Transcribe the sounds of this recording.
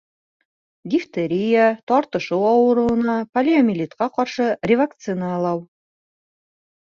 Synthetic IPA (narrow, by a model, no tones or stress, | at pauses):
ɡʲift̪eɾʲijat̪ɒɾt̪ɤ̆ʃɤwɑwɤ̆ɾɤɤ̆nɑpɐlʲɪɐmʲɪlʲit̪qɑqɑɾʃɤrʲɪvɐkt̪sɨnɑːlˠɑw